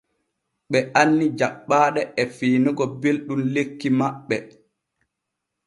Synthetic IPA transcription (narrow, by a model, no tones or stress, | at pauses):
ɓɛanːid͡ʒaɓːaːɗɛɛfiːniɡɔbelɗumlekːimaɓːɛ